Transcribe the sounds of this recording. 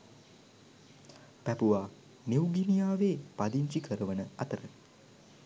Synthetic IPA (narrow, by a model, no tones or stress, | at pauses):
pæpuʋaː | newɡinijaːʋeːpad̪iɲt͡ʃikʰəɾəʋənəat̪əɾə